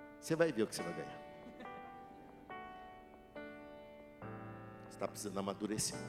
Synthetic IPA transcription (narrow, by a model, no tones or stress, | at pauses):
sevajd̪ewkɪ̥sevajɡa̰ja̰ | se̥t̪apizɐ̃nɐmad̪uɾesi̥